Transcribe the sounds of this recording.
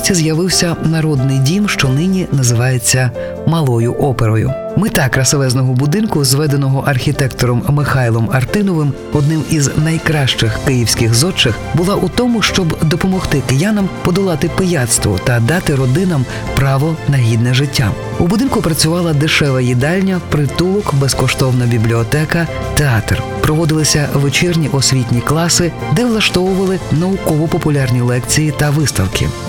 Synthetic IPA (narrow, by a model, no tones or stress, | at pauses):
t͡sʲizjɐʋɪwsʲɐnɐɾɔd̪nɪjdʲimʃt͡ʃɔnɪnʲinɐzɪʋɑjet͡sʲːɐ | mɐlˠɔjʊʔɔpeɾɔjʊ̰ | mɪt̪ɑkɾɐsɔʋɛznɔɦɔbʊd̪ɪnkʊzʋɛd̪enɔɦɔʔɐrxʲit̪ɛkt̪ɔɾɔmːɪxɑjlˠɔmɐrt̪ɪnɔʋɪm | ɔd̪nɪmiznɐjkɾɑʃt͡ʃɪxkɪjiwsʲkɪxzɔt͡ʃːɪxbʊlˠɑʔut̪ɔmʊʃt͡ʃɔbd̪ɔpɔmɔxt̪ɪkɪjanɐmpɔd̪ɔlˠɑt̪ɪpɪjat̪st̪ʋɔ̰t̪ɐd̪ɑt̪ɪɾɔd̪ɪnɐm | pɾɑʋɔnɐɦʲid̪nɛʒɪtʲːa̰ | ubʊd̪ɪnkʊpɾɐt͡sʲʊʋɑlˠɐd̪ɪʃɛʋɐjid̪ɑlʲnʲɐpɾɪt̪ulˠɔkbɛskɔʃt̪ɔwnɐbʲiblʲiɔt̪ɛkɐ | t̪eɑt̪r | pɾɔʋɔd̪ɪlˠɪsʲɐʋet͡ʃirnʲiʔɔsʲʋʲit̬ʲnʲiklˠɑsɪd̪ɛʋlˠɐʃt̪ɔʋʊʋɐlˠɪnɐʊkɔʋɔpɔpʊlʲɑrnʲilˠɛkt͡sʲijit̪ɐʋɪst̪ɐwkʰɪ̰